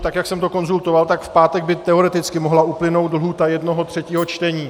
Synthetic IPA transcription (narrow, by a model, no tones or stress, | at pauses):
t̪akjaksɛmt̪o̞ko̞nzult̪o̞valt̪akfpaːt̪ɛɡ̚bɪt̪ɛo̞ɾɛt̪ɪt͡skɪmoɦlauplɪnowt̪l̩ɦuːt̪ajɛdno̞ɦo̞t̪r̝̥ɛciːɦo̞t͡ʃt̪ɛɲiː